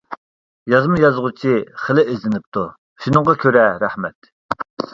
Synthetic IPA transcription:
jɑzmjɑzʁut͡ʃʰiχəlɪezlɪnɪp̚t̪ʰu | ʃunɨŋʁɑkʲʰøɾɛɾæhmɛt̪̚

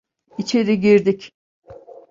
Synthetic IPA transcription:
it͡ʃʰe̞ɾiɟiɾd̪ic

